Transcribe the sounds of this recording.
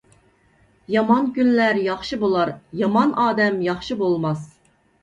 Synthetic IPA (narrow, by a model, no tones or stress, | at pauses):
jɑmɑnkʲynlæɾjɑχʃɨbolˠɑɾjɑmɑnʔɑːd̪ɛmjɑχʃɨbolˠmɑs